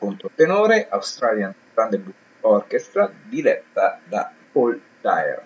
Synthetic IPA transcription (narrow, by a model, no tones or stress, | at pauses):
kont̪ɾot̪enoːɾeʔawst̪ɾaljanɡɾand̪ebu | ɔrkest̪ɾad̪ilɛt̪ːad̪a̰pol | t̪a̰j̰ɾ